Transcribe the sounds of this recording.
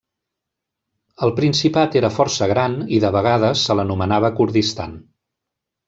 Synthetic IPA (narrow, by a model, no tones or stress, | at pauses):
əlˠpɾinsipat̪eɾəfɔɾsəɣ̞ɾaniðəβəɣ̞að̞əsːələnumənaβəkuɾðist̪a̰n